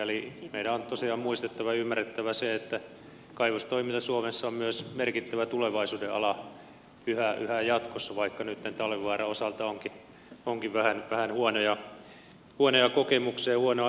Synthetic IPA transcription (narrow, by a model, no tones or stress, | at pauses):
elimeiɾæont̪osiɑːmmuist̪et̪ːæʋɑjɑymːæret̪ːæʋæseet̪ːæ | kɑiʋost̪oimint̪ɑsuomesːɑommyøsmerkit̪ːæʋæt̪uleʋɑisuːdeʔɑ̰lɑ | yhæʔyhæjɑt̪kosːɑʋɑikːɑnyt̪nent̪ɑlʋiʋɑːrɑosɑlt̪ɑoŋki | oŋkiʋʋæhænʋæhænhuonojɑ | huonojɑkokemukseːhuonoɑ